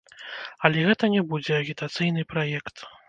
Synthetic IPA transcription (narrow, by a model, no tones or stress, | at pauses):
ɐlʲɛɣɛt̪ɐnʲɛbud͡zʲɛɐɣʲit̪at̪sɨjn̪ɨpɾajɛkt̪